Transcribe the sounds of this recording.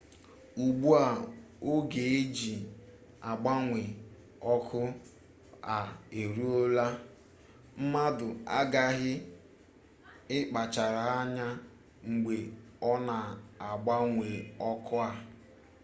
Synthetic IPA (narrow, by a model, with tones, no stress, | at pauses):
u˨ɡ͡bu˦a˨ | o˦ɡe˨e˦d͡ʒi˨ | a˨ɡ͡ba˦ŋʷe˨ | ɔ˦kʰʊ˦ | a˨e˨ɾu˦o˦la˦ | m̩˦ma˦dʊ˨a̰˦ɡa˦ɦɪ˦ | ɪ˦k͡pa˨t͡ʃa˨ɾa˨ɦa˦ɲa˦ | ŋ͡m̩˨ɡ͡be˨ɔ˦na˨a˨ɡ͡ba˦ŋʷe˨ɔ˦kʰʊ˦a˨